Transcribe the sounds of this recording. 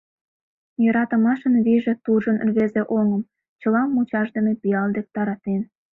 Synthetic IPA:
jɤ̆ɾɑt̪ə̆mɑʃənβiʒĕt̪uʒənrβezĕʔoŋə̆m | t͡ɕə̆lɑmːut͡ɕɑʒd̪emepijɑld̪ek̚t̪ɑɾɑt̪en

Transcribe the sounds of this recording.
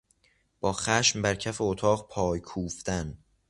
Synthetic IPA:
b̥ɒːxæʃmbæɾcʰæfeot̪ʰɒːɢpʰɒːjkʰuːft̪æn

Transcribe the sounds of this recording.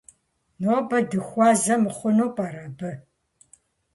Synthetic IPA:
nobɐdɨxʷɑːzɐmɨχʷʊnoːpʼɐɾɐbɨ

